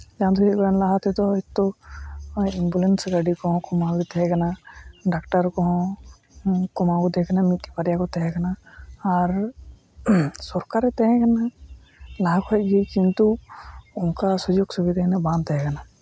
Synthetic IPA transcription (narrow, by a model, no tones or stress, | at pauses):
d͡ʒãd̪uiɡɔɛnlaɦat̪ɛt̪ɔit̪ːɔ | imbulɛnsɡaɖikɔɦɔ̃kɔmaɡit̪ɛɦɛɡanaɖak̚ʈaɾkɔɦɔ̃ | kɔmaɡud̪ɛkanamit̪ipaɾjakɔt̪ɛɦɛɡanaː | ɾ | sɔɾkaɾɛt̪ɛɦɛ̃ɡana | laɦakʰɔɛɡijkint̪uunkasɔd͡ʒoɡsɔbid̪ɛɦnabãnt̪ɛɦɛɡana